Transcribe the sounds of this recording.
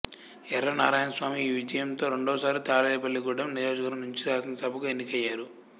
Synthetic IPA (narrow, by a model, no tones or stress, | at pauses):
ɛɾːɐnaːɾaːjɐnɐsʋaːmiːʋid͡ʒɐjɐmt̪o̞ːɾe̞ɳɖoːsaːɾit̪aːlɛjɐbɐlːiɡuːɖɐmnid͡ʒoːʃɡɐɾɐmnuɲt͡ʃiɾaːsɐnɐsɐbʱɐkuenːikɐjːaːɾu